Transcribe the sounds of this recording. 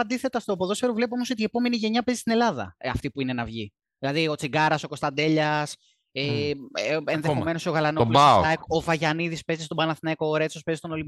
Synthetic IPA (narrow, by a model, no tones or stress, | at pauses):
ɐnd̪iθe̞t̪ɐst̪opoðo̞sfeɾovle̞p̬o̞mo̞so̞t̪ie̞po̞me̞niʝe̞ɲɐpe̞zist̪ine̞lɐðɐ̰ɐ̰ft̪ipuine̞nɐvʝi | ðilɐðio̞t͡siɡɐɾɐso̞ko̞st̪ɐnd̪e̞ʎɐs | e | enðeome̞noso̞ɣɐlɐnolaoɐkovɐʝɐniðispe̞zist̪obɐnɐθinɐkoːɾe̞t͡so̞spezist̪o̞no̞limb